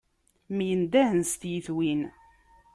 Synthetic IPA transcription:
mjənd̪æhənst̪jəθwin

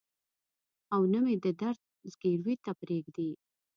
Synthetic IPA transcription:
awnəmed̪əd̪aɾd̪̚ | zɡeɽwit̪apɾeɡd̪i

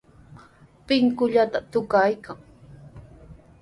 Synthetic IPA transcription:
pɪŋkʊʎat̪at̪ʊkajkaŋ

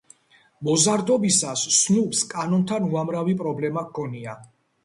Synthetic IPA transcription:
mɔzaɾd̪ɔbisasːnupskʼanɔnt̪ʰanuamɾavipʼɾɔblɛmaɡkʰɔnia

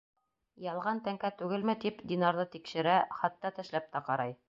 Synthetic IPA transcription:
jɑlˠʁɑnt̪æŋkæt̪ʉɡɘlmɘt̪ipd̪ʲinɑɾðɤt̪ikʃɘ̆ɾæχɑt̪ːɑt̪ɘ̆ʃlæp̚t̪ɑqɑɾɑj

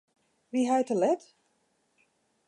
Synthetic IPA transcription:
ʋiɦajtəlɛt

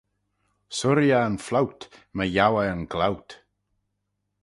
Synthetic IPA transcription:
sʊɾjaənflawtməjawəənɡlawt

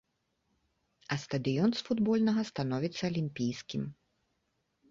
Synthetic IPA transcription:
ɐst̪ɐd̪ɨjɔnsfud̪bɔlʲnɐɣɐst̪anɔvʲit̪sːɐɐlʲimʲpʲijskʲim

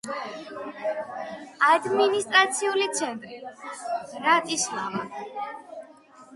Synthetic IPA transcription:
ad̪minist̪ʼɾat̪sʰiulit̪sʰɛnt̪ʼɾi | ɾat̪ʼislava

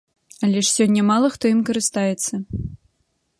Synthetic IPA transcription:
ɐlʲɛʂsʲɔnʲːɐmalˠɐxt̪ɔjimkɐɾɨst̪ajɛt̪sːɐ

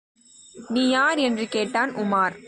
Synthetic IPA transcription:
niːjaːɾɛndrɯkeːʈːaːnʊmaːɾ

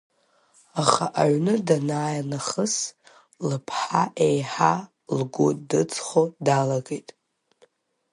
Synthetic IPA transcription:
aχaʔaʕnɨdanaːjanaχəs | lɨpʰħaʔejħa | lɡʷodɨt͡sʼχodalaɡejtʼ

